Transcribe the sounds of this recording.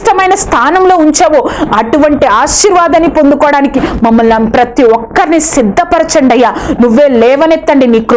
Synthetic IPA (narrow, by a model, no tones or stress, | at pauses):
ʈɐmɐjnɐst̪ʰaːnɐmlo̞ːuɲt͡ʃeːʋoːɐʈuʋɐɳʈiaːʃiːɾʋaːd̪ɐnːipo̞nd̪ukɔːɐɽaːnikimɐmːɐlnɐmpɾɐt̪iɔkːɐɾinisid̪ʱːɐpɐɾɐt͡ʃɐɳɖɐjːaːnuʋːeːlɛːʋɐnet̪ːɐɳɖiniːkɾ